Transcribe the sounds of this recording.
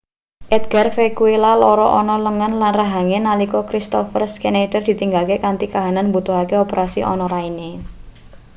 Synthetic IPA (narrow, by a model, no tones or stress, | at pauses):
ʔɛd̪̚ɡ̥arfekuelalɔɾɔʔɔnɔləŋanlanraɦaŋenalikɔkɾist̪ɔfərskenedərd̪̥i̤t̪iŋɡalkekant̪ikaɦananmbut̪uɦakeɔpeɾasḭʔɔ̰nɔɾaine